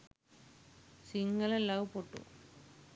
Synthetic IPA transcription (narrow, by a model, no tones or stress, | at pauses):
siŋɡɐlelːaːʋupoʈːṵ